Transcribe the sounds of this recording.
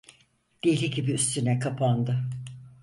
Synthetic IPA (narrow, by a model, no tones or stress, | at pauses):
d̪̥ejlʲiɟibiyst̪ʰynɛkʰapʰand̪ɯ